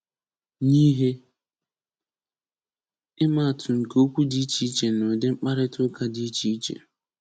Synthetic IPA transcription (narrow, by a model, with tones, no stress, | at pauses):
ni˦ɦe˦ | ɪ˦ma˦a˨tʰʊ˨ŋ̩˨ko˦kʷu˦di˦i˦t͡ʃi˦i˦t͡ʃe˨no˨dɪ˦ŋ͡m̩˦k͡pa˦ɾɪ˦tʊ˦ka˦di˨˦i˦t͡ʃi˦i˦t͡ʃḛ˨